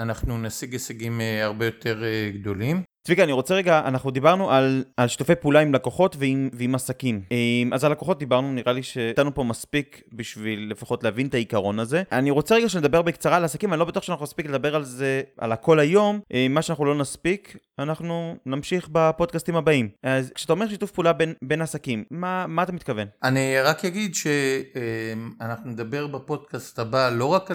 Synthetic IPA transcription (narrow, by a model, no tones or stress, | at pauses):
anaχnunasiɡeseɡimeaʁbejo̞tʰeʁeɡd̪o̞limtvikaniʁo̞t͡seʁeɡaʔanaχnud̪ibaʁnuʔalalʃi̥t̪ufejpulaimlakoχo̞tveiveimasakimemazalakoχo̞t̚d̪ibaʁnuniʁaliʃe̞t̪anupo̞maspik | biʃvilːe̞faχo̞tleavint̪aikaʁo̞naze̞ʔaniʁo̞t͡se̞ʁeɡaʃened̪abe̞ʁbekt͡saʁaːlasakimavalo̞betuoχʃeanaχnunaspikled̪abe̞ʁalze̞a̰lako̞lajo̞mʔmːaʃeanaχnulo̞naspik | anaχnunamʃiχbapo̞d̪̚kast̪imabaimazkʃeatao̞me̞ʁʃ̬it̪ufpuːlabenbe̞nasakimːamaːt̪amit̪̚kave̞naniʁakjaɡid̪ʃeemanaχnuned̪abe̞ʁbepo̞dkast̪abalo̞ʁak